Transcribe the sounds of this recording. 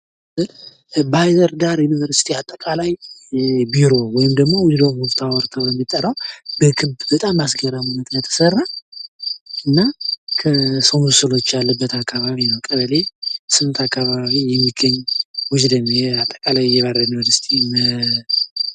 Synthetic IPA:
ɨ | bajzəɾd̪aɾjunivəɾsi̥t̪ʰiat̪ʼːəkʼalaj | biɾo̞wɔjɪmd̪əɡmo̞wʊd͡ʒd̪omhʊft̪ʰawɔɾt̪ʰawbɛmːit̪ʼːəɾəwbəkʰɨβbbət̪ʼamːasɡəɾamunət̪jat̪ʰːə̥sərːa | ɨnːakʰəsowmusɨlo̞t͡ʃːjalːəbːət̪akʰːaβaβinəwkʼəβəle̞sɨnt̪ʰakʰːaβaβaβijɛmːiɡəɲːwʊd͡ʒd̪əɲjɛat̪ʼːəkʼalajɛβaɾəjunvəɾsi̥t̪ʰi

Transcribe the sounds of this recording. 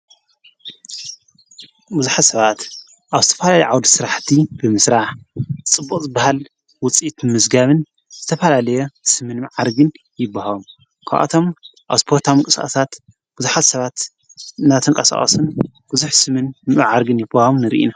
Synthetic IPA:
bɨzuħat̪sɐβat̪ | ʔaβzɨt̪ʰɐ̥fɐlalɐjʕawd̪isɨɾaħt̪ʰibɨmɨsɾaħɨt͡sʼɨbːukʼzɨbahal | wʊt͡sʼit̪mɨzɡaβɨn | z̥ɨt̪ʰɐfɐlalɐjɛsɨmɨnmaʕaɾɡɨn | jɪbːahawom | kʰa̰ʔa̰t̪ʰo̞mʔa̰βspʰo̞ɾt̪ʰamɨŋkʼɨsʼa̰sat̪ | b̥ɨzuħat̪sɐβat̪ | nat̪ʰɨŋkʼɐsa̰χʼo̰sɨn | b̥ɨzuħsɨmɨnmaʕaɾɡɨnjɪbahawomnɨɾḭʔḭna

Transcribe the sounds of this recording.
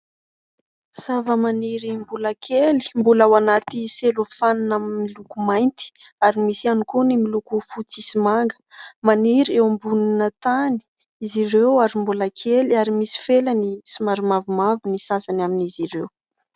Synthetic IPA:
savəmaniɾimbulakʰeli̥mbulawanat̪iselofaninaminmilukumajnt̪i̥ | aɾimisianikonimilukufut͡sisimaŋɡə̥maniɾewmbuninət̪ani̥ | izirewaɾimbulakʰeliaɾimisi̥felanisimaɾumavumavinisasanaminiziɾew

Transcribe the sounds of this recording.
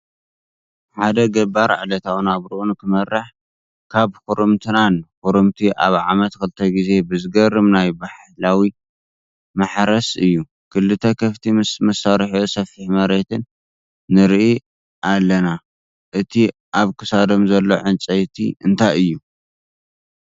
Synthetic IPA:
ħad̪ɐɡɐbaɾ̰ʕlɐt̪ʰawnaβɾɨʔunkʰɨmɐrːɨħ | kʰaβxuɾɨmt̪ʰɨnanxuɾɨmt̪ʰiʔaβʕa̰mɐt̪kɨlɨt̪ʰɐɡize̞bɨzɨɡɐrːɨmnajbaħ | lawi | maħɾɐsɨjːu | kʰɨlːɨt̪ʰɐkʰɐft̪ʰimɨsmɐsaɾħosɐfiħmɐɾe̞t̪ʰɨnː | ɨɾʔi | ʔalːɐna | ʔɨt̪ʰi | ʔaβkʰɨsad̪o̞mzɐlːo̞̰ʕɨnt͡sʼɐjt̪ʰḭɨnt̪ʰajɨjːu

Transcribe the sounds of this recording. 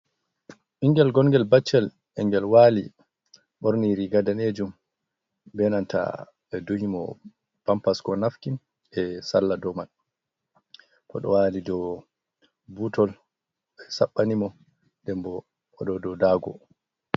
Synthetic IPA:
ʔiŋɡɛlɡɔŋɡɛlbat͡ʃːɛl | ʔɛŋɡɛlwalḭ | ɓɔɾniɾiɡadaned͡ʒum | bɛnanta̰ | ɓɛduhimɔ̰ | pampaskɔnafkin | ɛsalːadɔmal | kɔ̰ɗɔ̰waːlidɔ | butɔl | ɓɛsaɓːanimɔ | dɛmbɔ | ɔɗɔdɔdaːɡɔ̰

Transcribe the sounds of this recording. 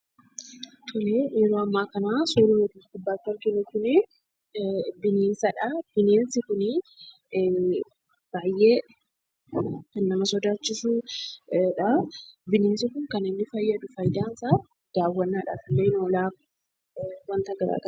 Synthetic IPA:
t̪ʰɔleːjɛɾoːɐmːaːkɐnaːsoːɾɪɔd̪ikʊbːaːt̪ːɐɾɡɪnʊkʊnɪ | bɪneːnsɐᶑɐb̥ɪneːnsɪkʊnɪ | b̥aːjʔeː | kɐnːɐmɐsɔd̪aːt͡ʃːɪsu | ᶑɐbɪneːnsɪkʊŋkɐnɪnːɪfɐjːɐd̪ʊfɐjd̪aːnsaː | d̪̥aːwːɐnːaːᶑa̰ːfɪlːenoːlaː | wɐnt̪ɐɡɐɾa̰ːɡɐ

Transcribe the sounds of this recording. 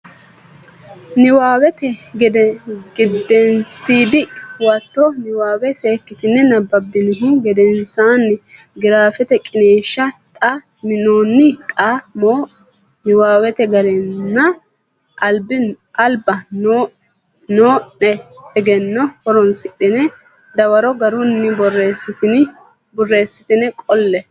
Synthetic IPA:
nɪwaːwɛt̪ɛɡɛd̪ɛɡɪd̪ːɛnsiːd̪ɪwɐt̪ːɔnɪwaːwɛse̞ːkːɪt̪ɪnːɛnɐbɐbːɪnɪɦɪɡɛd̪ɛnsaːnːɪ | ɡɪɾaːfɛt̪ɛkʼɪneːʃːɐt̪ʼɐ | mɪnoːnːɪt̪ʼamo | nɪwaːwɛt̪ɛɡɐɾɛnːɐ | ɐlbɪn | ʔɐlbɐn | noːnɛɛɡɛnːɔhɔɾɔnsɪɗɪnɛ | d̪ɐwɐɾɔɡɐɾʊnːɪbɔrːeːsɪt̪ɪn | bɔrːe̞ːsːɪt̪ɪnɛkʼɔlːɛ

